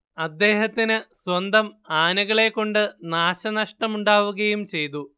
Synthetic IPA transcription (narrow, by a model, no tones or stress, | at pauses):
ɐd̪ːe̞ːɦɐt̪ːinɨswɐnd̪ɐmaːnɐɣɐɭe̞kːo̞ɳɖɨnaːɕɐnɐʂʈɐmuɳɖaːʋuɣɐjumt͡ɕe̞jt̪̬u